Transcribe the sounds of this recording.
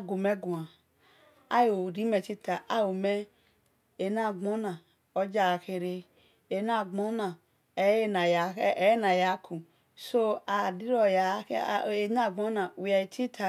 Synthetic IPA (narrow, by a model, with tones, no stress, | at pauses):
ɡo˨me˦ɡu˨a˨ | a˦jo˨ɾi˦me˨t͡ʃi˦ta˨ʔa˦wo˨me˦ | e˨na˦˨ɡ͡bo˨˦na˨ | o˦d͡ʒa˨ke˨ɾe˧ | e˨na˦˨ɡ͡bo˦na˨˦ | e˦na˨a˨˦e˦na˨ja˨˦kʰu˨ | so˦a˨di˦ɾɔ˨ja˨˦˨e˨na˦˨ɡ͡bo˦na˨wɛ˨t͡ʃi˦tʰa˨